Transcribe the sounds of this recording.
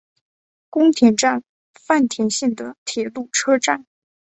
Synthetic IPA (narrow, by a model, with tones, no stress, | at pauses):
kʊ˥ŋt̪ʰjɛ˧˥nʈ͡ʂa˥˩n | fa˥˩nt̪ʰjɛ˧˥nɕɛ˥˩ŋd̪ə˩t̪ʰjɛ˧˥lu˥˩ʈ͡ʂʰɤ˥ʈ͡ʂa˥˩n